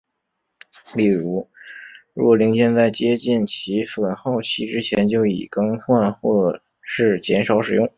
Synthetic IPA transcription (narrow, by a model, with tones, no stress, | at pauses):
li˥˩ɻu˧˥ɻɻu˧˥kɔ˨˩li˧˥ŋt͡ɕjɛ˥˧nt͡sa˥˩ɪt͡ɕjɛ˥t͡ɕi˥˩nt͡ɕʰi˧˥fə˨˩nxo˥˩ʊt͡ɕʰi˥ʈ͡ʂɻ̩˥t͡ɕʰjɛ˧˥nt͡ɕjo˥˩ʊḭ˨˩kɑ˥ŋxwa˥˧nxwɔ˥˩ | ʂɻ̩˥˩t͡ɕjɛ˧˥nʂɑ˧˥ʊʂɻ̩˨˩jʊ˥˩ŋ